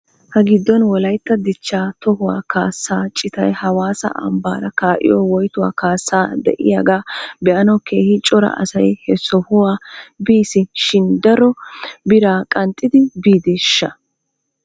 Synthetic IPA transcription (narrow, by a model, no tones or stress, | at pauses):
hɐɡɪd̪ːɔnwɔlɐjt̪ːɐd̪ɪt͡ʃːaːt̪ɔhʊwa̰ːkaːsːaːt͡ʃʼɪt̪ɐjhɐwaːsɐ̰ʔɐ̰mba̰ːɾɐkaːʔɪ̰jɔwɔjt̪ʊwa̰ːkaːsːaːd̪ɛ̰ʔɪ̰jaːɡaːbɛʔɐnɐwkeːhɪt͡ʃʼɔɾɐ̰ʔɐ̰sɐjhɛsɔhʊwaːbiːsɪʃɪnd̪ɐɾɔbɪɾaːkʼɐnt̪ʼːɪd̪ɪbiːd̪eːʃːɐ